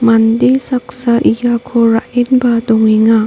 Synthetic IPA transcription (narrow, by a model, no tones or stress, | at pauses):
mandesaksaʔijakʰoɾaʔinbadɔŋiŋa